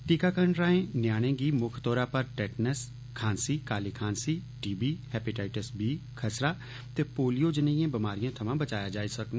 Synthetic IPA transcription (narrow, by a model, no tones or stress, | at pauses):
ʈiːkaːkəɳɾaːẽːnjaːɽ̃ẽːɡiːmʊkʰt̪ɔːɾaːpəɾʈɛːʈnəs | kʰaːnsiːkaːliːkʰãːnsiːʈiːbiːhɛːpɪʈaːɪʈəsbiːkʰəsɾaː | t̪eːpoːlijoːd͡ʒənəijãːbɪmaːɾijãt̪ʰəmãːbət͡ʃaːjaːd͡ʒaːisəkn